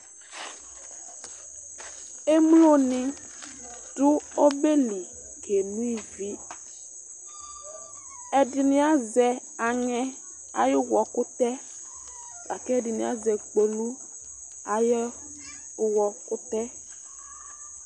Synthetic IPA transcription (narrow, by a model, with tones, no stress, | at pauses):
e˦m˦lo˦nɪ̃˨ | ɖ̥ʊ˦o˦be˦li˨ | ke˨nũ˦i˦vi˨˦ | ɛ˨dɪ˨nĩ˦a˦zɛ˨ | a˨ŋɛ˦ | a̰˨jʊ˦wɔ˨kʊ˦t̪ɛ˦ | la̰˨kɛ˦˨dɪ˨nĩ˨a˨zɛ˨ɡ͡bo˨lu˦ | a˨j | wɔ˨kʊ˦t̪ɛ˦